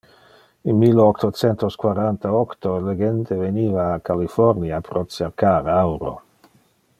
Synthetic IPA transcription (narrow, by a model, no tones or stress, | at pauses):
inmilɔkt̪ot͡sɛnt̪oskwaɾant̪aɔkt̪oleɡent̪eveniːvaːkalifɔɾniapɾʔot͡seɾkaɾawɾo̰